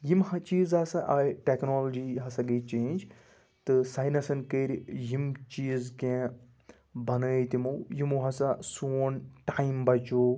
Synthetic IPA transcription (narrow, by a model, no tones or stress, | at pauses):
jimhɐt͡ʃiːzɐsaʔɐʈeknoːlod͡ʒiɦɐsɐɡeːt͡ʃẽːnd͡ʒ | t̪ɨsajnɐsɐnkeːɾjimt͡ʃiːzkẽ | bɐnɐːt̪imoːjimoɦɐsasuːnʈaːimbɐt͡ʃoː